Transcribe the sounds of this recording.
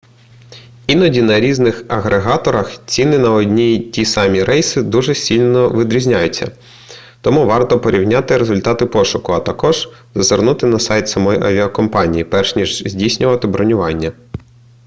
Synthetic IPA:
inɔdʲinɐɾʲiznɪxɐɣɾeɦɑt̪ɔɾɐxt͡sʲinɪnɐɔdʲnʲitʲisɑmʲiɾɛjsɪd̪uʒɛsʲilʲnɔʋɪd̪ɾʲizʲnʲajʊt͡sʲːɐ̰ | t̪ɔmuʋɑrt̪ɔpɔɾʲiwnʲɑt̪ɪɾezʊlʲt̪ɑt̪ɪpɔʃʊkʊɐt̪ɐkɔʒ̥zɐzernut̪ɪnɐsɑjt̪sɐmɔjʔɐ̰ʋʲiɐkɔmpɑnʲijipɛrʃnʲiʒzʲdʲijsʲnʲʊʋɐt̪ɪbɾɔnʲʊʋɑnʲːɐ

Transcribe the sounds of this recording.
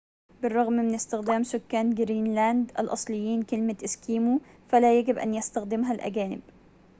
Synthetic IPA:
bɪrˤːɑɣmmɪnɪst̪ɪxd̪aːmsʊkːaːnɡɾiːnlaːnd̪ʔa̰lʔɑ̰sˤlɪjːiːnkɪlmaʔɪskiːmu | falajaɡɪbʔa̰njast̪axd̪ɪmɦalʔa̰ɡaːnɪ̰b̚

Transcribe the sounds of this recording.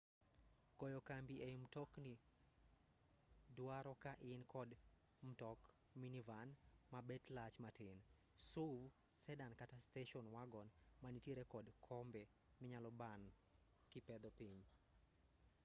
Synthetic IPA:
kɔjɔkambiemtɔkni | dwaɾɔkaʔɪnkʰɔd | m̩tɔk | minivanmabɛtlat͡ʃmatɪn | suv | sɛdankatasteʃɔnwaɡɔnmanitjeɾekɔdkʰɔmbɛ | mɪɲalɔban | kɪpɛd̪ɔpiɲ

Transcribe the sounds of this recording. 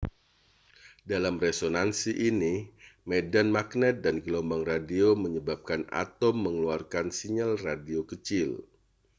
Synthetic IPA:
dalamresonansiʔinimedanmaknɛt̪̚danɡəlɔmbaŋradioməɲəbap̚kana̰t̪ɔmːəŋluarkansiɲalradiokət͡ʃɪl

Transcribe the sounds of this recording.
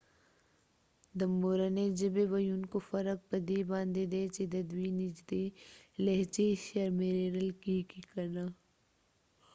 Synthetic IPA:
d̪ɐmːoːɾɐned͡ʒɐbeʋɐjunkofɐɾək̚pɐd̪eːbãːnd̪ed̪eːt͡ʃed̪ɐd̪wiːnid͡ʒd̪eːleɦt͡ʃeʃɐɾmeɾeːɾɐlkikikɐnaː

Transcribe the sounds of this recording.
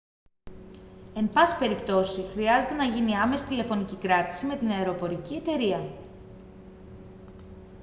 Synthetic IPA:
e̞mpɐsi̥pe̞ɾipt̪o̞sixɾiɐze̞t̪e̞nɐʝiniɐme̞si̥t̪ile̞fo̞nicikɾɐt̪i̥sime̞t̪inɐeɾo̞po̞ɾicie̞t̪e̞ɾiɐ

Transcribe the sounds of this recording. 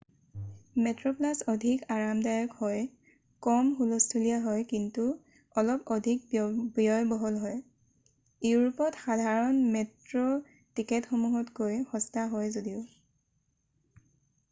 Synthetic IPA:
mɛtɹɔplasɔdʱikaɹamdajɔkhɔj | kɔmxulɔstʰulijaɦɔjkintu | ɔlɔpɔdʱik̚bijɔjbɔɦɔlɦɔj | euɹupɔtxadʱaɹɔnmɛtɹɔ | tikɛtxɔmuɦɔtkojxɔstaɦɔjzodiʊ

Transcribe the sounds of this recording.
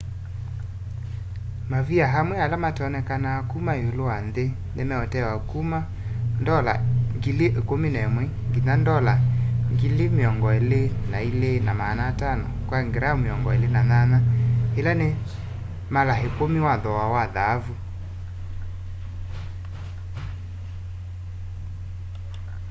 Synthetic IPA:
maviaɦamwɛalamatɔnɛkanaakumaeoloanðe | nemɛɔtɛwakuma | ndɔla̰ŋɡileʔekominɛmwɛŋɡinandɔlaŋɡilemeɔŋɡɔelenailenamanatanɔ̰kwaŋɡeɾameɔŋɡɔelenananahelane | malaɦekomiwaðɔwawaðavu

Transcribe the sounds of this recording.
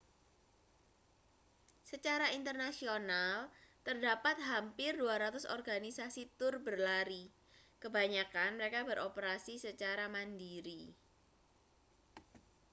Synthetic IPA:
sət͡ʃaɾaint̪ərnasionalt̪ərdapat̪̚ɦampɪrduaɾat̪ʊsɔ̰rɡanisasit̪ʊrbərlaɾi | kəbaɲakanməɾekabəɾʔopəɾasisət͡ʃaɾamandiɾi

